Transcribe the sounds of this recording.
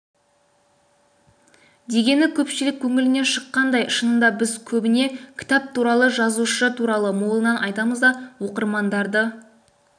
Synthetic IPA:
d̪e̞ɡʲe̞nɪkʲʰɵpʃɪlɪkʲʰːɵŋɪlɪneʃəqːɑnd̪ɑjəʃənəmd̪ɑbɪzkʲʰɵbɪne̞kʲʰɪ̥t̪ɑp̚t̪ʰuɾɑlˠəʒɑzuʃət̪ʰuɾɑlˠəmo̞lˠənɑnʔɑjt̪ɑməzd̪ɑwo̞qəɾmɑnd̪ɑɾd̪ə

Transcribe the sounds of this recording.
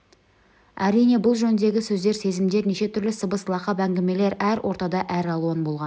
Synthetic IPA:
æɾijne̞bʊlˠʒɵnɪd̪e̞ɡʲɪsɵzd̪e̞ɾse̞zɪmd̪e̞ɾneʃe̞t̪ʰʏɾlɪsəbəslˠɑqɑpæŋɡʲeme̞le̞ɾæɾwʔo̞ɾt̪ɑd̪ɑʔæɾɑlˠuɑnbo̞lˠʁɑn

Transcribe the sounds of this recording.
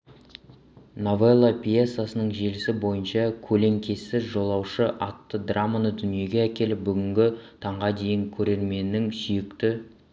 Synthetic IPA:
novelˠːapʲijesːasənəɴʒe̞lɪsɪbo̞jənʃɑkʲʰɵle̞ŋkʲʰe̞sɪzʒo̞lˠɑwʃəʔɑt̪ːəd̪ramanəd̪ʏnije̞ɡʲe̞ækʲe̞lɪp̚bʏɡʲɪŋɡʲɪt̪ʰɑɴʁɑd̪e̞jɪŋkʲʰɵɾe̞ɾme̞nːɪŋsijɪkt̪ɪ

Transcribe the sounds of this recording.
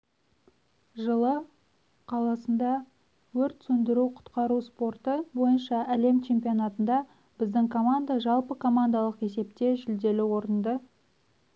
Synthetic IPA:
ʒəlˠə | qʰɑlˠɑsənd̪ɑ | wɵɾt̪sɵnd̪ɪɾuqʰʊ̥t̪qɑɾuspo̞rt̪əbo̞jənʃɑæle̞mt͡ʃʰe̞mpijo̞nat̪ənd̪ɑ | b̥ɪzd̪ɪŋkʰo̞mand̪aʒɑlˠpəkʰo̞mand̪ɑlˠəqe̞se̞pt̪e̞ʒʏld̪e̞lɪwo̞ɾənd̪ə

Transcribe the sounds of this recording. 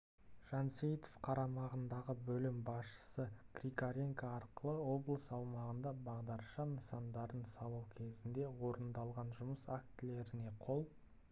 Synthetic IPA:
ʒ̥ɑnsejt̪ofqʰɑɾɑmɑʁənd̪ɑʁəbɵlɪmbɑsʃə̥səkrʲikaɾeŋkaːɾqəlˠəwo̞blˠəsɑw̪ˠmɑʁənd̪ɑbɑʁd̪ɑɾʃɑnəsɑnd̪ɑɾənsɑlˠuwkʲʰe̞zɪnd̪e̞wo̞ɾənd̪ɑlˠʁɑnʒʊməsakt̪ɪle̞ɾɪne̞qʰo̞lˠ

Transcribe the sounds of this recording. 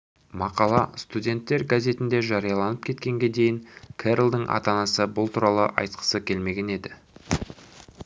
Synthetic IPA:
mɑqɑlˠɑst̪udʲe̞nt̪ːe̞ɾɡazʲe̞t̪ɪnd̪eʒɑɾijɑlˠɑnəp̚kʲʰe̞t̪kʲe̞ŋɡʲe̞d̪e̞jɪŋkʲʰeɾlˠd̪əɴʔɑ̰t̪ɑnɑsəbʊlˠt̪ʰuɾɑlˠəʔɑ̰jt̪qʰə̥səkʲʰe̞lme̞ɡʲe̞ne̞d̪ɪ

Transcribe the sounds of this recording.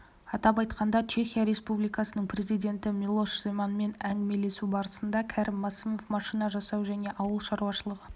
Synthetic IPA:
ɑt̪ɑpɑjt̪qɑnd̪ɑt͡ʃʰe̞xʲijaɾe̞spublijkɑsənəɴpʰɾe̞zijd̪ʲe̞nt̪ɪmilˠo̞ʃz̥emanme̞næŋɡʲɪme̞le̞subɑɾəsənd̪ɑkʲʰæɾʔɪmːɑsimo̞fmɑʃinɑʒɑsɑwʒæne̞ʔɑwəlˠʃɑɾuwɑʃəlˠəʁə

